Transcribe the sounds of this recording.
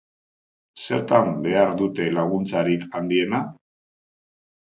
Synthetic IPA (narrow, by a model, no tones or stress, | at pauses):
se̞ɾt̪ambe̞aɾðut̪e̞laɣ̞unt͡saɾikand̪ie̞na